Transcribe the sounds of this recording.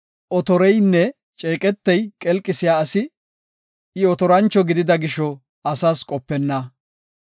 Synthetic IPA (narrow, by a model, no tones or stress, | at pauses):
ʔɔt̪ɔɾɛjnːɛ | t͡ʃʼeːkʼɛt̪ːɐjkʼɛlkʼɪsɪjaːɐsɪ | ɪɔt̪ɔɾɐnt͡ʃːɔɡɪd̪ɪd̪ɐɡɪʃːɔ | ɐsaːskʼɔpːɛnːɐ